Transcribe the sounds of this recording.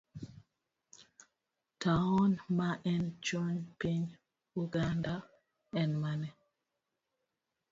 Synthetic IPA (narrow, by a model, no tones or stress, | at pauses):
taɔnmaʔɛnd͡ʒonpiɲ | uɡanda | ɛnmanɛ